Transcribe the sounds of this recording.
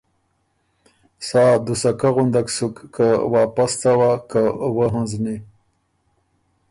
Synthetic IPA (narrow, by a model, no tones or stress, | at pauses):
sɑːd̪usakaɣund̪aksukːawɑːpast̪awakawəɦãnzni